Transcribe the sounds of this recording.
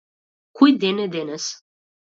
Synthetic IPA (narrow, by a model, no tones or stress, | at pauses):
kujd̪ened̪enəs